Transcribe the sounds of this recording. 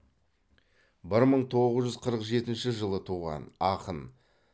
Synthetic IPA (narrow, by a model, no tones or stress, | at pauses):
bɪɾməɴt̪ʰo̞ʁəzʒʏzqʰəɾəqʒe̞t̪ɪnʃɪʒəlˠət̪ʰuʁɑ̰nɑqən